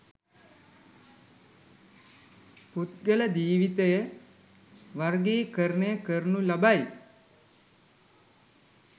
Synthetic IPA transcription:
put̪̚ɡələd͡ʒ̪iːʋit̪ejə | ʋaɾɡeːkəɾnejəkəɾnulabaj

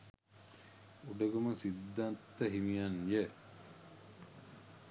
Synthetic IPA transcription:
uɖəɡɐmɐsid̪ːant̪ːəɦimijanje

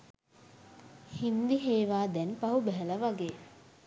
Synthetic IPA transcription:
hind̪iɦeːʋaːd̪ɛnpaɦubɛɦələʋaɡeː

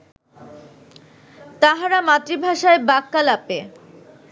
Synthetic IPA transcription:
t̪aɦaɾamat̪ɾibʱaʃaebakːalape

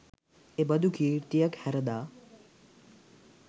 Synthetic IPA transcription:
ebɐd̪ʱukʰiːɾt̪ijɐkhɛɾɐd̪aː

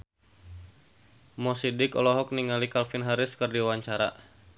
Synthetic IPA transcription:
mɔsidɪkɔ̰lɔɦɔk̚niŋalikalfinɦaɾɪskɨrdiwaɲt͡ʃaɾa̰

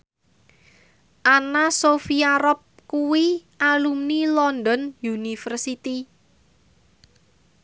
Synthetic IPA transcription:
ʔanasofiaɾɔp̚kuwiʔalumnilɔnd̪ɔnjunifərsit̪i

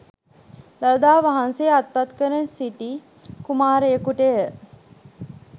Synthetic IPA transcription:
d̪aləd̪aːʋaɦansejat̪̚pat̪kəɾensiʈi | kumaːɾekuʈəjə

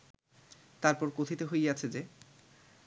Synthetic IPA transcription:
t̪aɾpɔɾkot̪ʰit̪eɦojjat͡ɕʰed͡ʑe

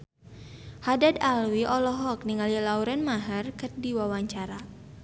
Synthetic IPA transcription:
hadadalwiʔɔlɔɦɔk̚niŋalilauɾɛnmaɦərkərdiwawaɲt͡ʃaɾa

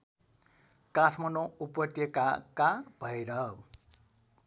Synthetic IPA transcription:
kasʰmʌnoupʌt̪jʌkakab̥ʱʌjɾʌ

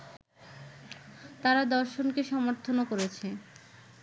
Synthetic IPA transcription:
t̪aɾad̪ɔɾʃonkeʃɔmoɾt̪ʰonokoɾet͡ɕʰe

